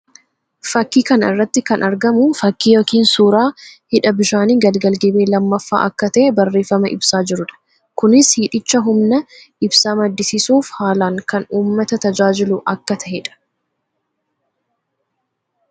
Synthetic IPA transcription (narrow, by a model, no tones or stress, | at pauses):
fɐkːiːkɐnɪ̰rːɐt̪ːɪkɐnʔɐɾɡɐmʊfɐkːiːjoːkiːnsuːɾaːhɪᶑɐbɪʃaːniːɡɐlɡɐlɡɛbeːlɐmːɐfːa̰ːʔɐkːɐt̪ɐʔɛbɐrːe̞ːfɐmɐʔɪbsaːd͡ʒɪɾʊᶑɐ̥ | kʊnɪshiːᶑɪt͡ʃːɐɦʊmnɐʔɪbsaːmɐd̪ːɪsɪsuːfhaːlaːŋkɐnuːmːɐt̪ɐt̪ɐd͡ʒaːd͡ʒɪlʊʔɐkːɐt̪ɐʔɛᶑɐ̥